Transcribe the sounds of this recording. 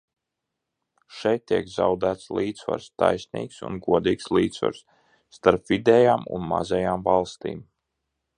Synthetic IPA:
ʃɛjt̪ːiɛkzawd̪æːt̪slˠiːd̪sva̰ɾst̪ajsnḭːksṵnɡuɔd̪iːkslˠiːt̪sva̰ɾsː | t̪aɾpvid̪ɛjaːmṵnma̰zɛjaːmvalˠst̪ḭːm

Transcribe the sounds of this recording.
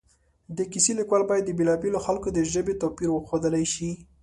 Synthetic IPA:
d̪əkiselikwalbɑjad̪ːəbelɑbeloxalkod̪əʒəbet̪opiɾwəxod̪əlajʃi

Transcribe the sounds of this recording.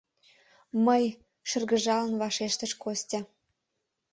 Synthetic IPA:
məj | ʃə̆rɣə̆ʒɑlənβɑʃeʃt̪ə̆ʃkostʲɑ

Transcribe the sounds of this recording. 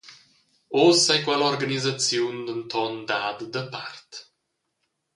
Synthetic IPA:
osajkwɛlɔɾɡanizat͡sjund̪ənt̪ʰɔnd̪aːd̪d̪əpart̪

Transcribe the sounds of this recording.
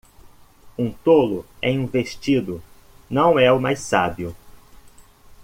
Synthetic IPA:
ũt̪olʊẽũveʃt͡ʃid̪ʊ | nɐ̃w̃ɛʊmajsabiʊ

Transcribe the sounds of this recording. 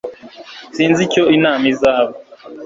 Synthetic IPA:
siːnzico̞inaːmizaːβo

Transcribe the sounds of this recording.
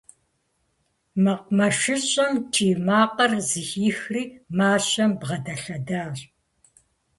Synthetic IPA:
mɐq̚mɐʃɨɕʼɐmtʰiːmaːqɐrzɨxiːxriːmaːɕɐmbʁɐdɐɬɐdaːɕʼ

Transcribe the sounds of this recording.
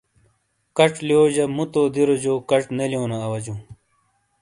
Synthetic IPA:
kɐʈ͡ʂlioːd͡ʑɐmut̪oːd̪iɾod͡ʑoːkɐʈnelijõːnɐɐwɐd͡ʑũ

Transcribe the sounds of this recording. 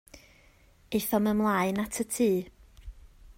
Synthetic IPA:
eθɔməmlˠaɨnatʰətʰiː

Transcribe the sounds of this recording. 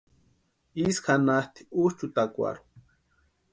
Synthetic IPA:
iskanaht̪i̥uʃt͡ʃut̪akʷa̰ɾu̥

